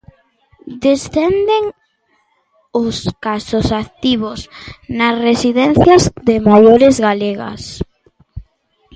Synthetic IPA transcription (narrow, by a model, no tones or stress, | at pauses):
d̪esθend̪eŋ | ʊskasʊsat̪iβʊsnasresiðɛn̟θjɐzðɪmajoɾɪzɣaleɣɐ̰s